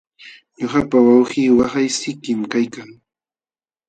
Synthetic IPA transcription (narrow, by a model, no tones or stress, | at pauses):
ɲoχapawawɢχiːwaχajsɪkɪmkajkaŋ